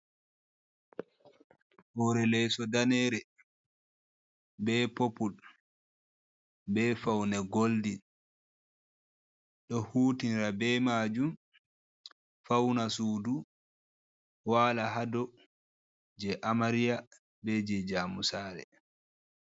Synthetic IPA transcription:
hɔɾɛlɛsɔdanɛɾɛ | bɛpopul | bɛfawnɛɡoldi | ɗɔhuːtinɾabɛmad͡ʒum | fawnasuːdu | waːlaɦadɔ | d͡ʒɛʔamaɾija | bɛd͡ʒɛd͡ʒaːmusaːɾɛ̰

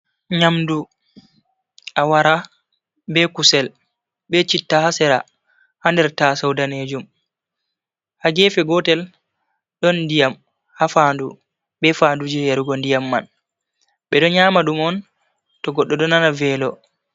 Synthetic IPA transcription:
ɲamdu | ʔawaɾa | bɛkusɛl | ɓɛt͡ʃitːahasɛɾa | handɛɾtasawdaned͡ʒum | haɡɛːfɛɡɔtɛl | ɗɔnːdijam | hafandu | ɓɛfandud͡ʒɛjaɾuɡɔndijamːa̰n | ɓɛɗɔɲamaɗumɔn | tɔɡɔɗːɔɗɔnanavɛlɔ

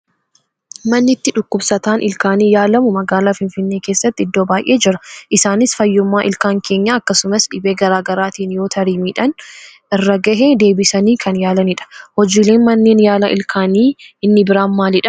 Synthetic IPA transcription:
mɐnːɪt̪ːɪᶑʊkːʊbsɐt̪aːnʔɪlkaːniːjaːlɐmʊmɐɡaːlaːfɪnfɪnːeːke̞ːsːɐt̪ːɪɪd̪ːo̞ːbaːjʔe̞ːd͡ʒɪɾɐʔɪsaːnɪsfɐjːʊmːaːʔɪlkaːŋkʰe̞ːɲːaːɐkːɐsʊmɐsᶑɪbeːɡɐɾaːɡɐɾaːt̪iːnjo̞ːt̪ʰɐɾiːmiːᶑɐn | ɪrːɐɡɐɦeːd̪e̞ːbɪsɐniːkʰɐnjaːlɐniᶑɐ̥hɔd͡ʒiːle̞ːnmɐnːe̞ːnjaːlɐʔɪ̰lkʰaːniːɪnːɪbɪɾaːnmaːlɪᶑɐ

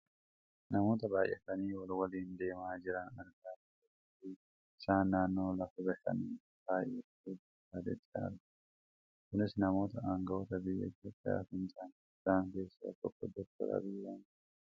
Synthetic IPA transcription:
nɐmo̞ːt̪ɐbaːjʔɛfɐniːwɐlwɐliːnd̪e̞ːmaːd͡ʒɪɾɐnɐɾɡaːt̪ɐɛ | ti | ɪsaːnːaːnːo̞ːlɐfɐbɛħɐ̰niː | b̥aːjʔɛ | e | aːd̪ɛ̰t̪ʼːa̰ːɾɐ | kʊnɪsnɐmo̞ːt̪ɐʔaːŋɡɐʔɔt̪ɐbɪjːɐ̰t̪ːoːpʼːja̰ːfɪnt̪ʼaːnɪsaːŋke̞ːsːa̰t̪ɔkːɔd̪ɔkt̪ːɐ̰ɾɐ̰bɪjːan

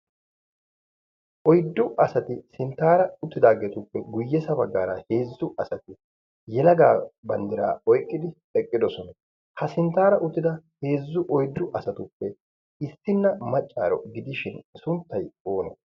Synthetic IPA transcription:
ʔɔjd̪ːʊʔɐsɐt̪ɪsɪnt̪ːaːɾɐʊt̪ːɪd̪aːɡeːt̪ʊpːɛɡʊjːɛsɐbɐɡːa̰ːɾɐhe̞ːzːʊʔɐsɐt̪ɪ | jɛlɐɡaːbɐnd̪ɪɾa̰ːɔjkʼːɪd̪ɪ | ɛkʼːɪd̪ɔsɔnɐ | hɐsɪnt̪ːaːɾɐʔʊt̪ːɪd̪ɐhe̞ːzːʊʔɔjd̪ːʊʔɐsɐt̪ʊpːɛ | ɪsːɪnːɐmɐt͡ʃʼːa̰ːɾɔ̰ɡɪd̪ɪʃɪnsʊnt̪ːɐjo̞ːnɐ

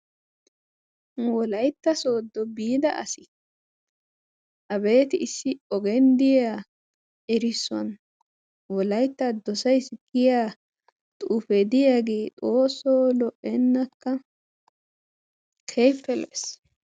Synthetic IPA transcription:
wɔlɐjt̪ːɐso̞ːd̪ːɔbiːd̪ɐʔɐ̰sɪ | ʔɐbe̞ːt̪ɪɪsːɪɔɡɛnd̪ɪjaː | ɛɾɪsːɔ̰n | wɔlɐjt̪ːɐd̪ɔsɐjsɡ̥ɪjaː | t̪ʼuːfɛd̪ɪjaːɡeːt̪ʼo̞ːsːoːlɔʔɛnːɐkːɐ | kʰejpːɛlɛ̰s

